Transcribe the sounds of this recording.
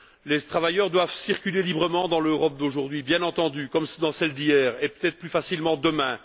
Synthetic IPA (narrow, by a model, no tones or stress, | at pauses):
let̪χavajœːʁd̪wavsiʁkʲylelibʁəmɑ̃d̪ɑ̃løʁɔp̚d̪oʒuʁd̪ɥibjɛ̃nɑ̃t̪ɑ̃d̪ykɔmsd̪ɑ̃sɛld̪ijɛːʁepø̥t̪ɛt̪χəplyfasilmɑ̃d̪əmɛ̃